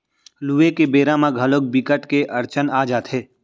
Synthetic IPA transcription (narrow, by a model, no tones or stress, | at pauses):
luːekebeːɾamãɡʱɐlok̚bikəʈkeʔɐɾt͡ʃənaːd͡ʒaːt̪ʰeː